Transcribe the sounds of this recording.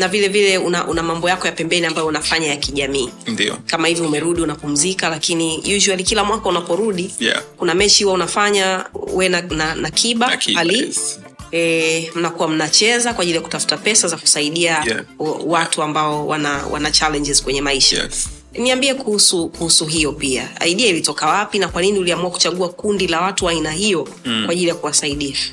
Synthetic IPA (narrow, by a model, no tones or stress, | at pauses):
navilɛvilɛunaʔunamambɔjakɔjapɛmbɛniambajɔunafaɲajakiʄamiːd̰kamahivjɔumɛɾuɗiunapum̩zikalakinijuʒualikilamwakaunapɔɾuɗikunamɛt͡ʃihuwaunafaɲawɛnananakʰiɓaali | ɛm̩nakuwam̩nat͡ʃɛzakwaːʄilijaku̥tafu̥tapɛsazaku̥saiɗia | watuambaɔwa̰nawʔa̰nat͡ʃalɛɲd͡ʒɛz̥kwɛɲɛmaiʃaa̰ | niambiɛkuhusukuhusuɦijɔpia̰a̰iɗiailitɔkawapinakwaniniuliamuaku̥t͡ʃaɠuakundilawatuainahijɔ | kwaʄilijakuwasaiɗiʃḁ